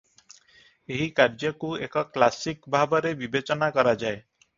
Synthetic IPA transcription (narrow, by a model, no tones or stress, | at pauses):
eɦikaɾd͡ʒɔkuekɔklasikbʱabɔɾebibet͡ʃɔnakɔɾad͡ʒae